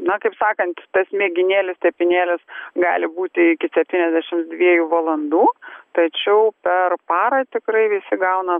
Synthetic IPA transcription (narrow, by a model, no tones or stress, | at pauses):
nɐkɐɪpsɑːkɐnt̪t̪ɐsmʲeːɡʲɪnʲeːlʲɪst̪ʲɛpʲɪnʲeːlʲɪsɡɑ̰ːlʲɪbuːt̪ʲɪɪkʲɪsʲɛp̚ʲt̪ʲiːnʲɛzʲd̪ʲæːʃʲɪmd̪ʲʋʲiɛjuːʋɐlˠɐnd̪uːt̪ɐt͡ʃʲɛʊpʲɛrpɑːɾɐt̪ʲɪkɾɐɪʋʲɪsʲɪɡɐʊnɐ